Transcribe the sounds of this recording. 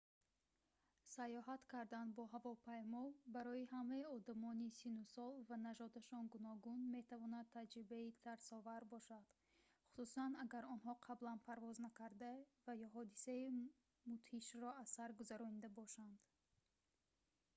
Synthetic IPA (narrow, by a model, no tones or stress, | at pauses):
sajɔɦat̪kʰaɾd̪anbɔɦavɔpʰajmɔbaɾɔiɦamaiɔd̪amɔnisinusɔlvanad͡ʒɔd̪aʃɔnɡunɔɡunme̞t̪ʰavɔnad̪̚t̪ʰad͡ʒɾibait̪ʰaɾsɔvaɾbɔʃad̪̥ | χu̥susanaɡaɾɔnɦɔqʰablanpʰaɾvɔznakaɾd̪avajɔɦɔd̪isai | mut̪hiʃɾɔasaɾɡuzaɾɔnid̪abɔʃand̪̥